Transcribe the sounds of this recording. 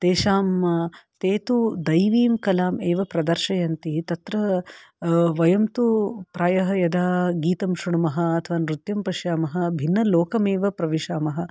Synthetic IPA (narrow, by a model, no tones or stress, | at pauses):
t̪eːʃaːmt̪eːt̪ud̪ɐjʋiːmkɐlaːmeːʋɐpɾɐd̪ɐɾʃɐjɐnt̪it̪ɐt̪ɾɐ | ʋɐjɐmt̪upɾaːjɐɦɐjɐd̪ʱaːɡiːt̪ɐmʃuɳɐmɐɦɐ̆ːt̪ʰɐʋaːnɾut̪jɐmpɐʃjaːmɐɦɐ̆bʱinːɐloːkɐmeːʋɐpɾɐʋiʂaːmɐɦɐ̆